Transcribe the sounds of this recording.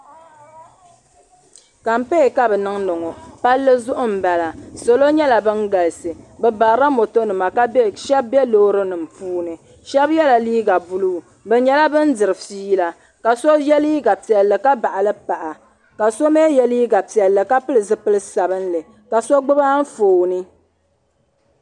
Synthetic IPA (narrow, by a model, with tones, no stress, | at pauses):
ka˨m̩˦pe˦˨ka˦bɛ˨nɨ˦ŋnɨ˨ŋɔ˨pa˦lːɨ˦zʊ˦ʔʊ˦m̩˨ba˨la˨so˨lo˦ɲɛ˦la˨bɨ˦ŋ˦ɡa˨lɨ˨sɨ˨bɛ˨ba˨ɾa˦mo˨to˦nɨ˨ma˨ka˦ʃɛ˦b̚bɛ˦loː˦ɾɨ˦nɨ˨m̩˨puː˦nɨ˨ | ʃɛ˦bjɛ˦la˨liː˦ɡa˨bu˦lu˦˨ | bɛ˨ɲɛ˦la˦bɨ˦n˦dɨ˨ɾɨ˨fiː˦la˨ | ka˨so˦jɛ˦liː˦ɡa˨pi˨ɛ˨lːɨ˨ka˦ba˨ʔa˨lɨ˦pa˨ʔa˨ | ka˨so˦me˦jɛ˦liː˦ɡa˨pi˨ɛ˨lːɨ˨ka˦pɨ˦lɨ˨zɨ˦pɨ˦lɨ˦sa˨bɨ˦nlɨ˨ | ka˨so˦ɡ͡bɨ˦ba˦ɱ̩˦foː˨nɨ˦